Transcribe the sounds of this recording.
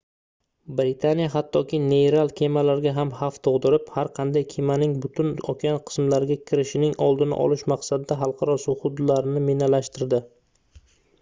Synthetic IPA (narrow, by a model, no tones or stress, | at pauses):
bɾɪt̪ʰanijaɦat̪ʰːɒkʲʰɪnejɾalˠkʲʰe̞malaɾɡʲaɦamhaft̪ʰoʁd̪ɪɾɪphaɾqʰɑnd̪ajkʲʰemanɪŋbʊt̪ʰʊnɒkʲʰanqʰɨ̥smlaɾɪɡʲakʲʰɪɾɪʃɪnɪŋɒlˠd̪ɪnɪ̰ʔɒ̰lɪʃmaqsad̪ɪd̪aɦɑlˠqʰɑɾɒsʊhʊd̪laɾɪnɪmenalaʃt̪ɪɾd̪ɪ